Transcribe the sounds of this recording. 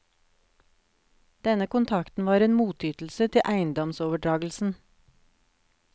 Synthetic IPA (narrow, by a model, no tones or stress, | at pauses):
d̪̥ɛnəkʊnt̪ʰɑkt̪n̩ʋɑːɾeːnmuːt̪ʰyːt̪l̩sət̪ʰɪʔæɪənd̪ɔmsoːʋəɖɾɑːɡl̩sn̩